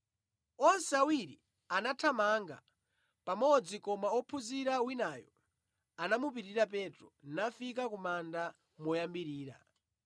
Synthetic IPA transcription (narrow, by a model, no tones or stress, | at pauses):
ɔnsawiɾḭ | anatʰamaŋɡa̰ | pamɔd͡zikɔmaɔpʰuziɾawinajɔ | anamup̬itiɾapɛtɾɔnafik̬akumanda | mɔjambiɾiːɾa̰